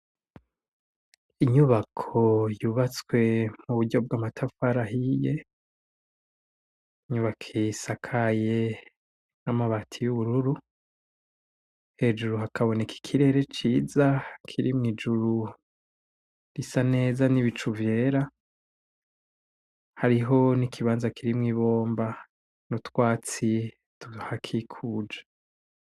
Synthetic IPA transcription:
iɲuβakʰo̞juːβat͡swe̞muβuɟo̞b̚ɡwaːmatʰafaɾaɦije | ɲuβakʰesakʰaje̞ | namaβatʰijuβuɾuɾu | he̞ːd͡ʒuɾuɦakʰaβo̞nekʰi̥kʰiɾe̞ːɾe̞t͡ʃiːzakʰiɾimŋiːd͡ʒuɾu | ɾisane̞ːzaniβit͡ʃuvje̞ːɾa | haɾiɦo̞nikʰiβaːnzakiɾimŋiβo̞ːmba | nutwaːt͡si | tuhakʰikʰuːd͡ʒḁ

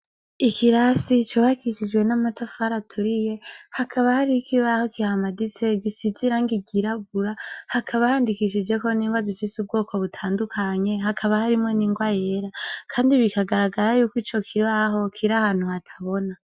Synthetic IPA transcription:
ikʰiɾasit͡ʃoβakiʃid͡ʒwe̞namatafaɾatʰuɾije̞hakʰaβahaɾikʰiβaho̞kiɾahamadit͡se̞ɡisiziɾaŋɡiɡiɾaɡ̚uɾahakʰaβahaːndikiʃid͡ʒe̞koniːŋɡwazifisub̚ɡoːko̞βutʰaːndukʰaɲe̞ɦakʰaβahaɾimŋo̞niːŋɡwaje̞ɾakʰaːndiβikaɡaɾaɡaɾajuːkwit͡ʃo̞kʰiβaɦo̞kʰiɾahaːn̥huhatʰḁβo̞na

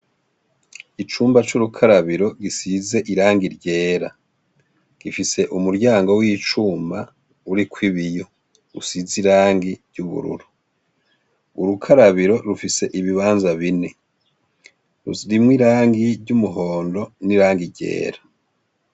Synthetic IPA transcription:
it͡ʃuːmbat͡ʃuɾukʰaɾaβiɾo̞ɡisize̞ʔiɾaːŋɡiɾɟe̞ːɾa | ɡ̥ifise̞ʔumuɾɟaːŋɡo̞wiːt͡ʃuːmba | uɾikʰwiβijo̞ | usiziɾaːŋɡiɾɟuβṵɾṵɾu | uɾukʰaɾaβiɾo̞ɾufise̞ʔiβiβaːnzaβine̞ | ɾṵɾimwiɾaːŋɡiɾɟumuɦoːndo̞niɾaːŋɡiɾɟe̞̰ːɾḁ

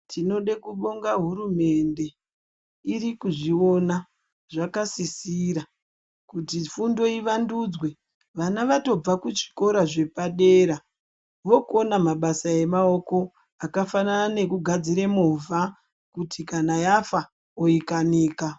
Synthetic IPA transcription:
tʰino̞ɗekuɓo̞ŋɡaɦuɾume̞nde̞ | iɾikuʐio̞na | ʐakasisiɾa | kutifundo̞iʋanduːd͡zwe̞ | ʋanaʋato̞b͡vakut͡ʃi̥ko̞ɾaʐe̞paɗeːɾa | ʋo̞konamaɓasae̞mao̞ko̞ | akafananane̞kuɡʱad͡ziɾemovʱa | kutʰikanajafa | oikaniːka

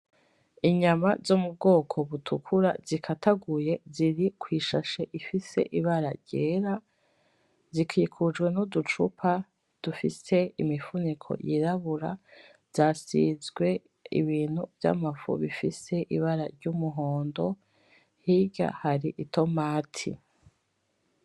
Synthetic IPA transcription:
iɲamazoːmub̚ɡo̞ːkʰo̞βutʰukʰuɾazikʰataɡuje̞ziɾikʰwiːʃaʃeʔifise̞̰ʔiβaɾaɾɟ̥eːɾa | zikʰikʰud͡ʒɡwe̞nodut͡ʃṵpʰa | d̥ufise̞imifunikʰo̞̰jiɾaβuɾa | z̥z̥aːsizɡwe̞ | ḭβiːn̥huvja̰mafṵβifise̞ʔiβaɾaɾɟumuɦo̞ːndo̞ | hiɟa̰haɾiʔitʰo̞maːtʰḭ

